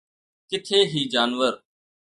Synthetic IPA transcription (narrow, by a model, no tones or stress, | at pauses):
kɪt̪ʰeːɦiːd͡ʒaːnʋəɾ